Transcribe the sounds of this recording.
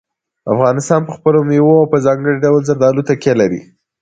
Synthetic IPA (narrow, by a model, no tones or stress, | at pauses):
afɣɑnɪst̪ɑnpəxpəlomwoawpəzɑŋɡəɽiɖawəlzaɾd̪ɑlut̪akjelaɾḭ